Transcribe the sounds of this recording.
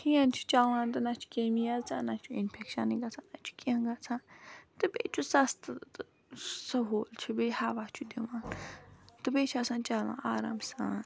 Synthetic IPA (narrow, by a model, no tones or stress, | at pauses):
hĩjãnt͡ʃʰu̥t͡ʃawãːnt̪̬ɨnat͡ʃʰu̥keːmijalt͡sʰã̰ːnat͡ʃʰuinpʰekʃɐniɡɐt͡sʰãːnat͡ʃʰu̥kiɐ̃ɡat͡sʰãːnt̪ɨbḛt͡ʃʰusɐst̪t̪ɨ | sɐɦoːlt͡ʃʰubehaːʋat͡ʃʰud̪ewãːn | t̪ɨbet͡ʃʰasãːnt͡ʃaːlã̰ːʔaːɾa̰msã̰ːn